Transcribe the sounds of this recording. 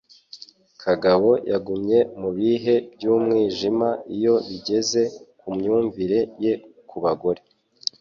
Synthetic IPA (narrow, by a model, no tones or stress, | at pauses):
kʰaɡaβo̞jaɡumɲe̞muβiːɦe̞bjuːmŋiːʒimaijo̞βiɟe̞ze̞kumɲuːɱviɾe̞je̞kʰuβaɡo̞ɾe